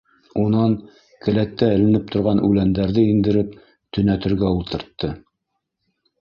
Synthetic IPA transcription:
unɑn | kɘ̆læt̪ːæɘ̆lɘ̆nɘp̚t̪ʰŏɾʁɑnʉlænd̪æɾðɘind̪ɘ̆ɾɘp̚ | t̪ɵ̆næt̪ɘ̆ɾɡæulˠt̪ɤ̆ɾt̪ːɤ

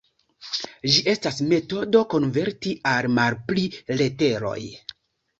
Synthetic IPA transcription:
d͡ʒiʔe̞stasme̞to̞do̞ko̞nve̞ɾtiʔalmalplile̞te̞ɾo̞̰j

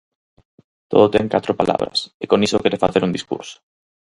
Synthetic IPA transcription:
t̪o̰ðot̪ɛŋkat̪ɾopala̰βɾɐ̰sekonisokɛɾefaθeɾund̪iskṵɾso̥

